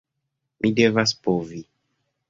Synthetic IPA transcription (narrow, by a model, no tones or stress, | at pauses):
mʔidevaspovi